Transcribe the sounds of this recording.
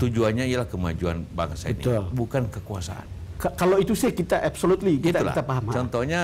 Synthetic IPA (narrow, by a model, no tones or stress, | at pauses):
t̪ud͡ʒuanɲaialahkəmad͡ʒua̰nba̰ŋəsaəniʊlbukankəkua̰sa̰ʔa̰n | kakaloit̪usɛhkit̪aʔabsolut̪likit̪aulaḭt̪apaɦamat͡ʃɔnt̪ɔhɲa